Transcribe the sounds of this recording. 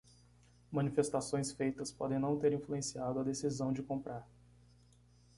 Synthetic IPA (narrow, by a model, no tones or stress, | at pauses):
mɐ̃nifest̪asõj̃sfejt̪ɐspɔ̰d̪ẽj̃nɐ̃w̃t̪eɾĩfluẽsiad̪ʊɐd̪esizɐ̃w̃d͡ʒɪkõmpɾaɾ